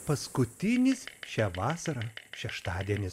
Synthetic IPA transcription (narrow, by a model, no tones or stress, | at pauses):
pɐskʊt̪ʲɪnʲɪsʃʲæːʋɑːsɐɾɑʃʲɛʃt̪ɑːd̪ʲiɛnʲɪ